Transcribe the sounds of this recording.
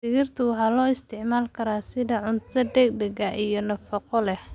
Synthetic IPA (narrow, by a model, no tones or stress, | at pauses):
sɪɣɪrt̪ʰʊħɑlɔːɪst̪ʰɪʕmaːlkʰɐɾaːsɪðɐʕʊnt̪ʰɐd̪ɛɡ̚ɖ̪ɛɡɐʔijɞnɐfɐqɔlɛh